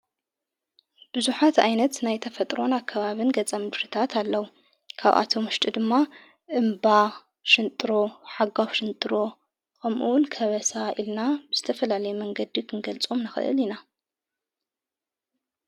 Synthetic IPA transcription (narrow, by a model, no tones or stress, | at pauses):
b̥ɨzuħat̪ajnɐt̪najt̪ʰɐfɐt̪ʼɾo̞nakʰːɐβaβɨnɡɐt͡sʼamɨd̪ɾɨt̪ʰat̪ʰalːɐwu | kʰa̰βʔa̰t̪ʰo̞mʊʃt̪ʼid̪ɨmːa | ʔɨmba | ʃɨnt̪ʼɨɾo̞ħaɡawʃɨnt̪ʼɨɾo̞ | kʰɐmʔuwnkʰɐβɐsaʔilnabɨz̥ɨt̪ʰɐfɐlalɐjumɐŋɡɐd̪ikʰɨnɡɐlt͡sʼomnɨxɨ̰ʔɨ̰lina